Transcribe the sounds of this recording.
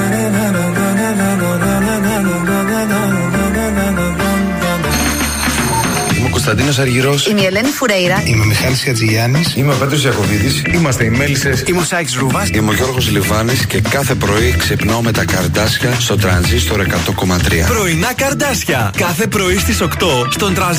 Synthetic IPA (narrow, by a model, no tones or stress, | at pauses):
imekost̪ɐnd̪ino̞s̬ɐɾʝiɾo̞simeelenifuɾejɾɐimemixɐlisjɐt͡siʝɐnisimeo̞pe̞d̪ɾo̞zʝɐko̞vit̪isimɐst̪eimelisesimusɐjksɾuvɐsimoʝo̞ɾɣozlivɐnisce̞kɐθe̞pɾo̞iksepnaome̞t̪ɐkɐɾd̪ɐsçɐst̪o̞t̪ɾɐnzist̪oɾekɐt̪o̞ko̞mɐt̪ɾiɐ̰pɾo̞inɐkɐɾd̪ɐsçɐkɐθe̞pɾo̞ist̪iso̞kt̪ost̪o̞nt̪ɾɐnz